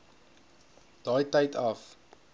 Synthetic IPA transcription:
d̥ɑːjtɐjtʰɐf

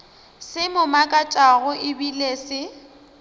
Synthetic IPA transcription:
sɪmʊmakʼat͡ʃʼaɣʊʔɪbilesɪ

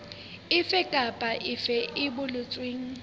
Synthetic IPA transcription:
ɪfɛkʼapʼaʔɪfɛɪbʊlʊt͡sʼweːŋ̩

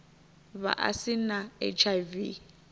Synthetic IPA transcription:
βa̰ʔa̰sinaḛt͡ʃʰajvi

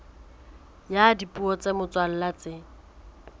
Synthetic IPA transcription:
jadipʼuɔt͡semʊt͡sʼwal̩lat͡sɪ

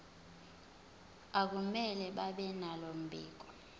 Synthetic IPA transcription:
ak̬umɛlɛɓaɓɛnalom̩bʱḭːk̬ɔ̥

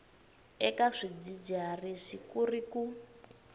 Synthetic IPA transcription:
ɛkaʂid͡zid͡ʒariʂikuriku

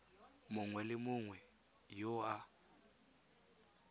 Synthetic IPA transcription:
mʊŋwɛlɪmʊŋwɛ | jɔa

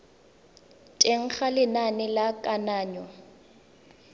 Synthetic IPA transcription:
tʼeŋ̩χalɪnanɪlakʼanaːɲɔ

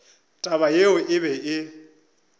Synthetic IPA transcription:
tʼaβajeʊʔɪβɛʔɪ

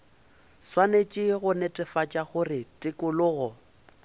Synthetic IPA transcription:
swanet͡ʃʼɪɣʊnetʼɪfat͡ʃʼaɣʊrɪtʼɪkʼʊlʊːɣɔ

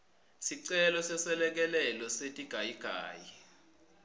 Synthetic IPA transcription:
siǀɛlɔsɛsɛlɛk̬ɛlɛlɔsetʼiɡ̥ʱajiɡ̥ʱa̰ːji

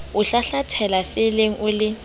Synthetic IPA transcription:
ʊɬaɬatʰɛlafɪleŋ̩ʔʊlɪ

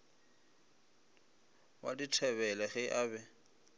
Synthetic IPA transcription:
wa̰ditʰɛβɛlɛɣɪʔaːbɛ

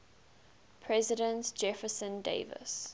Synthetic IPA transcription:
pʰɹɛzɪɾə̃ntd͡ʒɛfəsə̃ndḛɪvə̰s

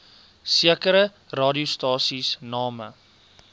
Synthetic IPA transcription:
siəkəɾə | rɑːdiustɑːsisnɑːmə̰

